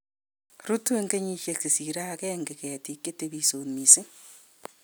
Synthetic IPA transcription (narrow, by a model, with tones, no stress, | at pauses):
ɾu˦tu˦eŋɡeɲi˦ʃje˨si˨siɾa˦keŋɡeɣeti˨kːe˦teβiso˨mise˦